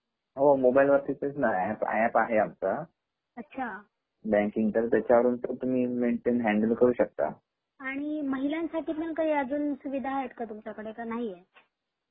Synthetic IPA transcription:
ɦomobajlʋəɾt̪iːtet͡snajaapa̰japaɦeamt͡sa | ətːɕʰa | bɛ̃ŋkiŋɡt̪əɾt̪jat͡ɕjaʋəɾuːnt̪ət̪um̤iːmeɳʈenɦæ̃ɳɖəlkəɾuːɕək̚t̪a̰ | aɽ̃iməɦiljansaʈiːt̪mənkaɦiːəd͡zuːnsuʋid̪ʱaet̪kat̪umt͡ɕakəɽekanaɦije

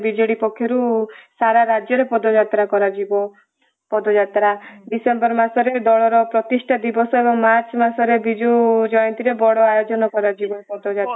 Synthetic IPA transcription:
bid͡ʒɔɽipɔkʰːjɔɾusaɾaɾad͡ʒjɔɾepɔd̪ɔd͡ʒat̪ɾakɔɾad͡ʒibɔ | pɔd̪ɔd͡ʒat̪ɾaɖisembɔɾmasɔɾed̪ɔɭɔɾɔpɾɔt̪iʃʈʰad̪ibɔsɔebɔŋmaɾt͡ʃɔmasɔɾebid͡ʒud͡ʒɔjɔnt̪iɾebɔɽɔajod͡ʒɔnɔkɔɾad͡ʒibɔɾpɔd̪ɔd͡ʒat̪a

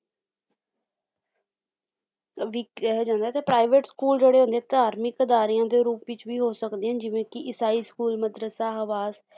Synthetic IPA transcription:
ʋiːɦd͡ʒãːnd̪aːt̪eːpɾaːɪʋeːʈskuːld͡ʒeːɽeːɦʊ̃nd̪ẽːt̪aːɾmɪkəd̪aːɾiːãːd̪eːɾuːpʋɪt͡ʃʋiːɦoːsəkd̪eːãːd͡ʒɪʋẽːkɪʔɪsaːiːskuːlməd̪ɾəsaːɦəʋaːz

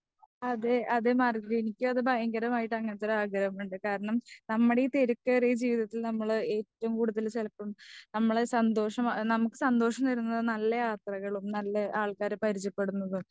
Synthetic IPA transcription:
ɐðeʔɐðemaːrɡɐɾɐjenikʲːumɐðɨbʱɐjɐŋɡɐɾɐmaːjiʈːɐŋːɐt̪ːɐɾɨaːɡɾɐɐmuɳɖɨkaːɾɐɳɐmnɐmːuɽeit̪eɾukːɐrijɐd͡ʑiːʋiðɐt̪ːilnɐmːɐɭɨe̞ːtːɐʋumkuːɽuðɐlt͡ɕelɐpːɐmnɐmːɐɭesɐnd̪o̞ːʂɐmnɐmukːɨ̥sɐnd̪o̞ːʂɐmt̪ɐɾunːɐðɨnɐlːɐjaːt̪rɐɣɐɭumnɐlːɐʔaːɭkaːɾpɐɾit͡ɕːɐpːe̞ɽunːɐðum

